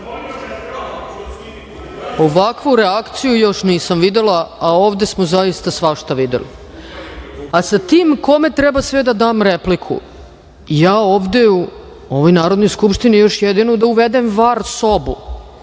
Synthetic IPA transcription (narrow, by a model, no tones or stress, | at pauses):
oʋakʋuɾeakt̪sijujo̞ʃniːsamʋid̪elaao̞ːvd̪e̞smozaist̪asʋaʃt̪aʋid̪ḛlḭ | asat̪iːmko̞met̪ɾɛbasʋɛd̪ad̪aːmɾeplikʰṵ | jaːoːʋd̪e̞u | oʋojnaːɾod̪nojskupʃt̪inijo̞ʃjed̪inud̪auʋed̪emvaɾso̞bṵ